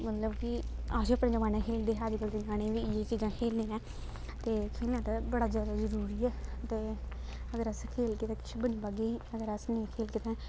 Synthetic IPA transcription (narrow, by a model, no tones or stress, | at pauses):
mət̪ləbkɪaːsiəpnẽːd͡ʒəmaːnɛ̃ːkʰeːld̪eːɦaːd͡ʒikəɾd̪ẽːɡaːɽ̃ẽːʋiːjeːt͡ʃiːd͡ʒãːkʰeːlneːɛ̃ː | t̪eːkʰeːlnãːt̪aːbəɽaːzjaːd̪aːzəɾuːɾiːɛːt̪eː | əɡəɾəskʰeːlkɪt̪ɛ̃ːkɪ̥t͡ʃʰːbəniːbaɡiːəɡəɾəsnẽːkʰeːlkɪt̪ɛ̃ː